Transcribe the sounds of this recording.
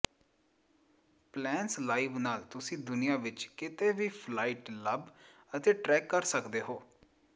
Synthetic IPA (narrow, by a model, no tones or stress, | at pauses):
plɛːnslaːiːʋnaːlt̪ʊsĩːd̪ʊnɪjãːʋɪt͡ʃkɪt̪eːʋiːpʰlaːiʈləb | ət̪eːʈɾɛːkːəɾsəkd̪eːɦoː